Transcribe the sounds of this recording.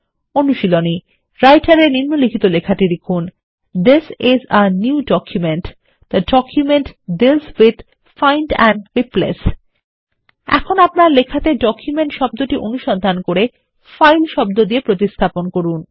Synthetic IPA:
onuʃiloni | ɾajʈaɾeɾniɾnːolikʰit̪olekʰaʈiɾekʰun | d̪isɪzənjuuɖɔkjumeɳʈ | d̪̥əɖɔkʰjumeɳʈdilzwid̪ | fajnɖɛnɖwiplḛs | ɛ̰kʰonapnaɾlekʰat̪eɖɔkʰjumeɳʈʃɔb̚d̪oʈiʔonuʃɔnd̪ʱankoɾe | fajlʃɔb̚d̪od̪iepɾot̪ist̪ʰaponkoɾun

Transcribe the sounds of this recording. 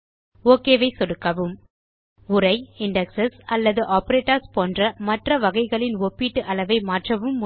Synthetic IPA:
oːkeːʋɐɪsɔɽɯkːɐʋɯm | ʊɾɐɪɪɳɖɛksɐsɐlːɐðɯʔaːpɐɾeːʈːɐɾspoːndrɐmɐʈrɐʋɐɣɐɪɣɐɭɪnɔpːiːʈːɯʔɐɭɐʋɐɪmaːʈrɐʋɯm

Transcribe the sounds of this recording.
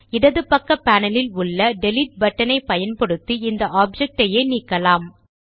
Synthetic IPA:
ɪɽɐðɯpːɐkːɐpaːnɐlɪlʊɭːɐɖɛlɪʈ̚bɐʈːɐnɐɪpːɐjɐnpɐɽɯt̪ːiɪnd̪ɐʔaːb̚d͡ʒɛk̚ʈɐjeːniːkːɐlaːm

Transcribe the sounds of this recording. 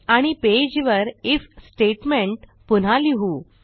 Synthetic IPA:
aɽ̃iped͡ʑʋəɾifsʈeʈmeɳʈpun̤aliɦu

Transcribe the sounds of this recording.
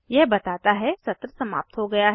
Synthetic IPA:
jɛɦbɐt̪aːt̪aɦɛsɐt̪ɾəsɐma̰ːp̚t̪ɦoɡɐjaɦ

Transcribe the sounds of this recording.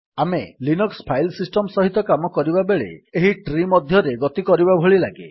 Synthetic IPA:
amḛlinukspʰajlsisʈɔmsɔɦit̪ɔkamɔkɔɾibabeɭḛeɦiʈɾimɔd̪ʱjɔɾeɡɔt̪ikɔɾibabʱoɭilaɡḛ

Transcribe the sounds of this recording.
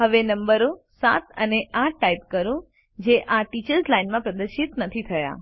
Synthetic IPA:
ɦəʋenəmbəɾosa̰t̪ə̰neʔaʈːaip̚kəɾũ | d͡ʒeʔaʈit͡ʃəɾzlainmãpɾəd̪əɾʃit̪nət̪ʰit̪ʰəja̰

